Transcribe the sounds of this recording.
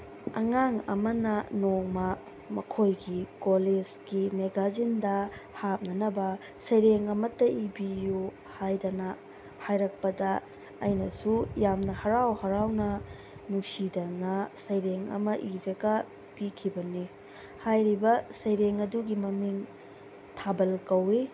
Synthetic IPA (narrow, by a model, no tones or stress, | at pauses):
ɐ̰ŋaŋɐ̰mɐnɐnoŋmɐ | mɐkʰojɡikoled͡ʒɡimeɡazindɐhap̚nɐnɐbɐ | sɐjɾeŋɐmɐtːɐʔibiju | hajdɐnɐ | hajɾɐk̚pɐdɐ̰ː | jnɐsujamnɐhɐɾawhɐɾawnɐ | nuksidɐnɐsɐjɾeŋɐ̰mɐʔiɾɐɡɐ | pikʰibɐni | hajɾibɐsɐjɾeŋɐduɡimɐmiŋ | tʰabɐlkɐwi